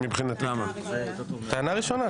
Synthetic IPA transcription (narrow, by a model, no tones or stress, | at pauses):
mibχinat̪ | t̪aanaʁiʃona